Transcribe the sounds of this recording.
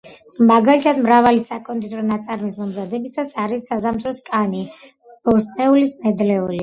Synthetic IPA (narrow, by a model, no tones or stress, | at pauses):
maɡalit̪ʰad̪mɾavalisakʼɔnt̪ʼit̪ʼɾɔnat̪sʼaɾmismɔmzad̪ɛbisasaɾisːazamd̪ɾɔskʼani | b̥ɔsʼnɛulisnɛd̪lɛuli